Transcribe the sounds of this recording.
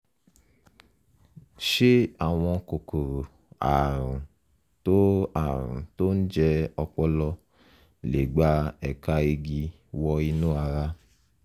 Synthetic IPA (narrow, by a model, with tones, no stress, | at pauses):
ʃe˦a˨w̃ɔ̃˧ko˨ko˨ɾo˨ | a̰˨ɾũ˨ | to˦a̰˨ɾṵ̃˨to˦n̩˦d͡ʒɛ˧ɔ˧k͡pɔ˦lɔ˧ | le˨ɡ͡ba˦ɛ˨ka˧e˧ɡi˧ | wɔ˧i˧nũ˦a˧ɾa˧